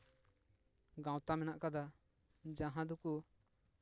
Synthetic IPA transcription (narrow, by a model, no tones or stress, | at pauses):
ɡãw̃t̪amɛnaʔkad̪a | d͡ʒaɦãd̪uku